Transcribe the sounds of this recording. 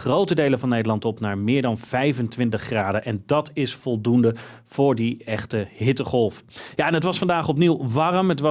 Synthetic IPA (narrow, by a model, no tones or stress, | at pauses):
rowtədejləvɑnːejdəlɑntɔpnaːɹmɪːɹdɑnv̥ɛjvəntʋɪntəχraːdəʔɛndɑtʰɪsfɔlˠdundə | v̥ʊːɹdiɛχtəɦɪtəχɔlˠfjaɛnɦətʋɑsfɑndaːχɔpniwʋɑrəmɦətʋɑ